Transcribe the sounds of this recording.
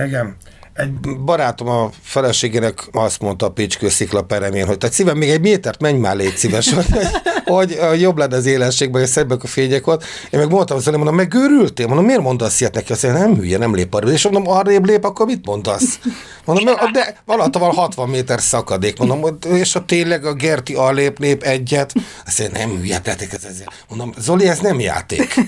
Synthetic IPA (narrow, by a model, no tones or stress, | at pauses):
ɛɡɛm | ɛɟ̚bɒɾaːt̪o̞mɒfɛlɛʃeːɡeːnɛkɒst̪mo̞nt̪ɒːpit͡ʃkøːsiklɒpɛɾɛmeːnɦo̞c̚t̪at̪sivɛmːeːɡɛɟmeːt̪ɛrt̪mɛɲma̰ːleːt̪sivɛʃooɟho̞ɟjoblɛnːɛɒzeːlɛnʃeːɡ̚bɛɛsɛbɛkɒfeːɲɛkolt̪ | eːmɛɡmond̪t̪ɒmzolimond̪omːɛɡøːɾylt̪eːmond̪omːeːrmo̞nd̪ɒsːiɛt̪nɛkiɒst̪ɛnɛmhy̰jːɛnɛmlḛːpɒɾibeʃmond̪omɒreːbleːpɒkːormit̪mo̞nd̪ɒs | mond̪omɛd̪ɛɒlɒt̪ovɒlhɒt̪ʋɒmːeːt̪ɛrsɒkɒd̪eːkmond̪omoeːʃɒt̪eːɲlɛɡɒɡɛrt̪iɒleːpneːpɛɟːɛt̪ | ɒst̪ːɛnɛ̰mhy̰ːjɛ̰t̪ɛ̰t̪ɛkɛzɛzḛːl | ond̪omzoliɛznɛmja̰ːt̪ḛːk